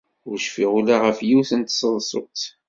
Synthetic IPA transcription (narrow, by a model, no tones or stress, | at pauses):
ʊɾʃfiʁulaʁəfjiwθənt̪sˤəðˤsˤʊ̰t̪